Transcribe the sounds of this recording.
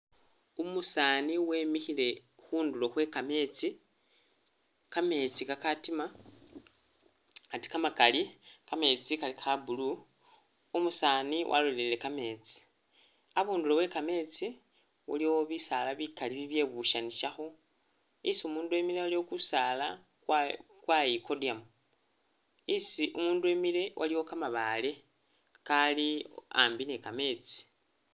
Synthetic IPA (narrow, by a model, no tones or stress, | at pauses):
umusaːniwe̞ːmixile̞xuːndulo̞xwe̞kame̞t͡si | kame̞t͡sikakatima | ati̥kamakalikame̞t͡sikalixʰabulu | umusaːniwʔa̰lollele̞kame̞t͡si̥ | aβuːndulo̞we̞kame̞t͡si | wṵliwoβisalaβikaliβiβje̞βuʃaniʃaxo̞ | isumuːndue̞milewaliwo̞kusala | kwajikodiam | isiʔumuːndue̞mile̞wʔaliwo̞kamaβale̞ | kalia̰mbine̞kame̞t͡si̥